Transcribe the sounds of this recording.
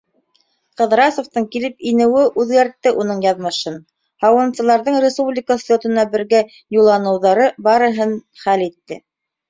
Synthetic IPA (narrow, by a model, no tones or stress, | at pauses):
qɤ̆ðɾɑsoft̪ɤɴkilɘp̚inɘ̆wɘʔʉðɡæɾt̪ːɘʔunɤɴjɑðmɤ̆ʃɤn | hɑwɤ̆nsɤ̆lˠɑɾðɤɴrʲɪspublʲɪkəsʲot̪ɤ̆nɑbɘ̆ɾɡæ | julˠːɑnɤ̆wðɑɾɤbɑɾɤ̆ɦɤnχælit̪ːɘ